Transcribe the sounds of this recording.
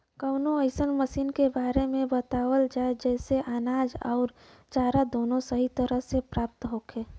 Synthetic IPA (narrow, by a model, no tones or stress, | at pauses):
kəʊnoəɪsənməsiːnkebaːɾemẽbət̪aːwəld͡ʒaed͡ʒɛːseʔaːnaːd͡ʒɔ̰ʊɾ | t͡ʃaːɾad̪oːnosəɦit̪əɾəɦsepɾaːp̚t̪ɦoːkʰeː